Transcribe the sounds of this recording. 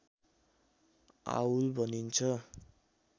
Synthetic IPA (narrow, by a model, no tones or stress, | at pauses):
a̰wulbʱʌnint͡sʰʌ